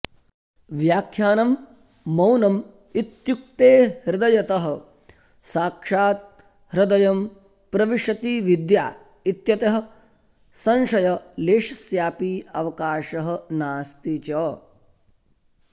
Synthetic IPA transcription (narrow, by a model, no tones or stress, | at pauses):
ʋjaːkʰjaːnɐmː | ɐwnɐm | it̪juk̚t̪eːhɾɪd̪ɐjɐt̪ɐɦɐ̆ | saːkʂaːt̪̚ | hɾɪd̪ɐjɐm | pɾɐʋiʂɐt̪iːʋid̪ja̰ː | it̪jɐt̪ɐɦɐ̆ | sɐ̃nʃɐjɐleːʂɐsjaːpiːɐʋɐkaːʃɐɦɐ̆naːst̪it͡ʃɐ